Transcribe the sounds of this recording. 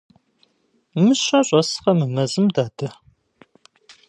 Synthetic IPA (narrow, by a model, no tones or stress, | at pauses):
mɨɕɐɕʷʼɐsχɐmɨmɐzɨmdaːdɐ